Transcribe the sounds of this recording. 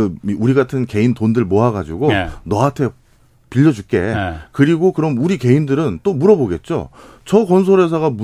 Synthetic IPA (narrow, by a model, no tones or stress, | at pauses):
ɯiuɾiɡatʰɯnke̞intondɯɭmoɦaɡad͡ʑiɡonʌatʰe̞ | piʎːʌd͡ʑuk͈e̞̰kɯɾiɡokɯɾʌmuɾike̞indɯɾɯnt͈omuɾʌboɡe̞t̚t͡ɕ͈o̰t͡ɕʌkʌns̬ʰoɾɦe̞s̬ʰʌɣamu